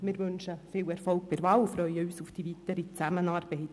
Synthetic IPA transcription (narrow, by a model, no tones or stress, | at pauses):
mɪːɾʋʏnʃəfɪːwɛɾfɔlk̚pɪɾʋɑːlfɾœʏəyːsʊfd̥ivitəɾit͡sæmənɑːɾb̥ɛɪt